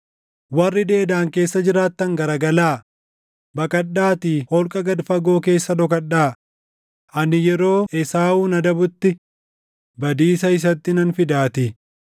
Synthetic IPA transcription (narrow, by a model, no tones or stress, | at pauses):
wɐrːɪd̪e̞ːd̪aːŋke̞ːsːɐd͡ʒɪɾaːt̪ːɐŋɡɐɾɐɡɐlaː | bɐkʼɐᶑːaːt̪iːhɔlkʼɐɡɐd̪fɐɡo̞ːk̬e̞ːsːɐd̪ɔk̬ɐᶑːaː | ʔɐnɪjɛɾo̞ːʔɛsaːuːnɐd̪ɐbʊt̪ːɪ | bɐd̪iːsɐɪs̬ɐt̪ːɪnɐnfɪd̪aːt̪ɪ